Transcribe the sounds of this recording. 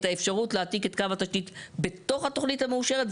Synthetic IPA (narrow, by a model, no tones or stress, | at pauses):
t̪aefʃaʁutleatiketkavat̪aʃtitbe̞to̞χhatoχnithameuʃe̞ʁet